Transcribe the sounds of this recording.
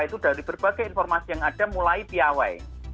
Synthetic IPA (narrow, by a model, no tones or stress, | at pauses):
it̪ud̥a̤ɾib̥ərb̥aɡajinfɔrmasijaŋad̥a̤mulaipiawaḛ